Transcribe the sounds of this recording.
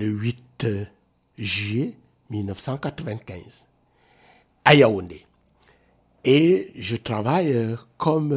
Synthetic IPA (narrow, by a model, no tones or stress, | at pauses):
ləwit | ʒɥe | milnɔfsãkatɾəvɛ̃ntkɛ̃z | ajawonde | eʒətɾavajkʰɔm